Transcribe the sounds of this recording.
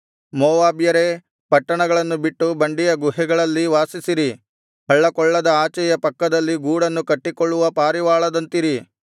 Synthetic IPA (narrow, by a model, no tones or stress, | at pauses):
mɔːʋaːbjɐɾe̞ | pɐʈːɐɳɐɡɐɭɐnːubiʈːubɐɳɖijɐɡuɦɛɡɐɭɐlːiʋaːsisiɾi | hɐɭːɐkɔɭːɐd̪ɐaːt͡ʃɛjɐpɐkːɐd̪ɐlːiɡuːɽɐnːukɐʈːikɔɭːuʋɐpaːɾiʋaːɭɐd̪ɐnt̪iɾi